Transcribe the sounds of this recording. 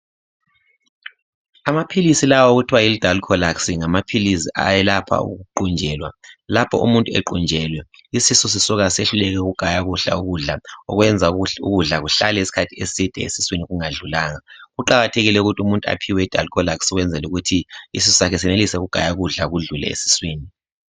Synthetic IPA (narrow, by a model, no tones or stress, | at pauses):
amapʰilisilawɔoɣutʰiwajilid̥ʱalkʰɔlaksiŋamapʰilisiʔa̰jɛlapʰa̰ṵɣuǃund͡ʒʱɛːlwa̰lapʰɔ̰ʔṵmuntʼuḛǃund͡ʒʱɛːlwɛ | isisɔs̬isuɣaseɬulɛɣ̬ɛɣuɡ̥ʱajaɣuɬa̰uɣuɮaɔɣwɛnd͡zʱaṵɣuɮaɣuɬalɛisi̥kʰatʰiesid̥ʱɛ̰ḛsiswiniɣuŋaɮulaːŋaɣuǃaɣatʰeɣilɛuɣutʰiumuntʼua̰pʰiwɛid̥ʱa̰lkʰɔlaksɔɣwɛnd͡zʱɛluɣutʰiisisɔsakʰɛsɛnelisɛɣuɡ̥ʱa̰jaɣuɮaɣuɮulɛ̰ḛsi̥swiːni